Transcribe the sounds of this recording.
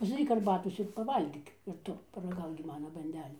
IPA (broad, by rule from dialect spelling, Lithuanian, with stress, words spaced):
pɐzdɐˈrʲiːk ɐrˈbɑːtoːs ɪr pɐˈʋɐlʲɡʲiːk ɪr ˈtʊ pɐrɐˈɡɐʊk ɡʲɪ ˈmɑːnɐ bɐnʲˈdʲæːlʲuː